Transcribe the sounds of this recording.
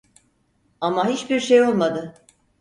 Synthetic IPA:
amaɦit͡ʃbiɾʃejo̞lˠmad̪ɯ

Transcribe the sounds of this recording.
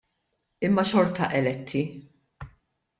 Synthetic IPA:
ɪmːɐʃɔɾt̪ɐʔɛlɛt̪ʰːi

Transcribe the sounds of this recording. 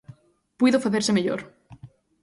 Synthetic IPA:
pwiðofaθeɾsemeʎo̰ɾ

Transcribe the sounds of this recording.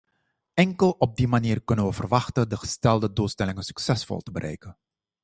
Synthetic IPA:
ɛŋkəlˠɔb̚dimaniːrkɵnənʋəvərʋɑxtəndəxə̥stɛlˠdəduːlˠstɛlɪŋənsy̥ksɛsfɔ̰lˠtəbəɾʔɛ̰jkən

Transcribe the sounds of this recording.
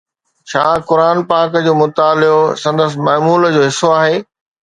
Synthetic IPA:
ʃaːkʊɾaːnpaːkd͡ʑoːmʊt̪aːlɪosɐ̃nd̪əs̬ɪ̆mɐːmuːld͡ʑoːɦɪsoaːɦeː

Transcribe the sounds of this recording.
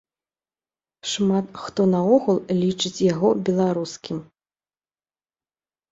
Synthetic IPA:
ʂmat̪xt̪ɔnɐɔɣulˠlʲit͡ʂɨt͡sʲjaɣɔbʲɛlˠaɾuskʲim

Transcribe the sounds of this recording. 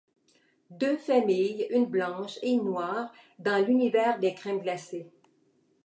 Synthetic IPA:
d̪øfamijynblɑ̃ʃenːwaːʁ | d̪ɑ̃lynivɛʁd̪ekχɛmɡlase

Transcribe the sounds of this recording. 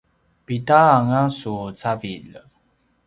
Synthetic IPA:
pitaːŋasut͡savil

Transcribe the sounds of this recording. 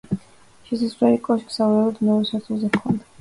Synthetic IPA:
ʃɛsasɾɛlikʼɔʃksavuɾɛlˠɔd̪mɛuɾɛsaɾt̪ʰulˠzɛvkʰɔnd̪a

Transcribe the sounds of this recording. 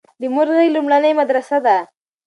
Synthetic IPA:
d̪əmʊɾɣəjlumɽanəjmad̪ɾasad̪a

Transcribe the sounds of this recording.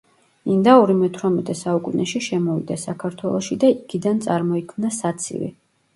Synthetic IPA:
ind̪aɔɾimɛt̪ʰwɾamɛt̪ʼɛsaukʼunɛʃiʃɛmɔvḭd̪asakʰaɾt̪ʰwɛlˠɔʃid̪aiɡid̪ant̪sʼaɾmɔikʰmnasat̪sʰḭvḭ

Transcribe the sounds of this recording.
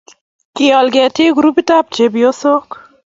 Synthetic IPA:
kiɔlɡɛtiɡuɾupitap̚t͡ʃebijosok

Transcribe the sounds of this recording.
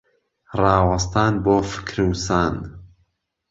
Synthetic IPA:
rɑːwɐst̪aːnboːfɨ̥kɾɨwsaːn

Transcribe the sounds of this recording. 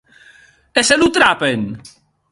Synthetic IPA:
eselut̪ɾapen

